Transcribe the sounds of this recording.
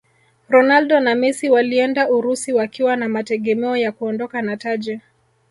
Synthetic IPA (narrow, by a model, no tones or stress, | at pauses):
ɾɔnaldɔnamisiwaliɛndauɾusiwakiwanamatɛɠɛmɛɔjakuɔndɔkanatad͡ʒɛ